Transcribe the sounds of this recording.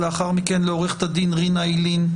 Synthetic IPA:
leaχaʁmikenleoʁeχe̥t̪ad̪inʁinajlin

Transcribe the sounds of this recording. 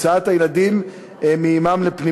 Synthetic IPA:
t͡saat̪ajelad̪im | emeimamlepni

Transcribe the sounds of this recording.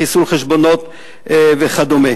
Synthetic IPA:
isulχeʃbonot̪ | veχad̪ome

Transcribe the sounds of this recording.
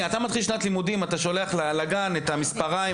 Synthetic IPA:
at̪amad̪χilʃnat̪limudimataʃo̞le̞aχlalaɡanetamispaʁai

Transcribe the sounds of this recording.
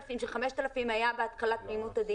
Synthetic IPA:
fimʃeχameʃt̪alafimajabeat̪kalat̪̚mejmut̪azi

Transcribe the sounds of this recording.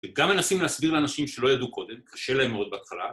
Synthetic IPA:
eɡamenasimlehasbiʁleanaʃimʃelo̞jad̪uko̞d̪emkʰaʃe̞laemod̪̚beat̪χala̰

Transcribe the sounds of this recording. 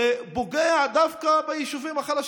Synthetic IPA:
boɡead̪avkabejiʃuvimaχalaʃ

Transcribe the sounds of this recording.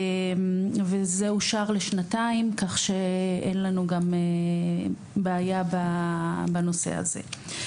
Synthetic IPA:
mvezeuʃaʁleʃnataimkaχʃe̞enlanuɡame | beːjababano̞se̞̰a̰ze̞̰

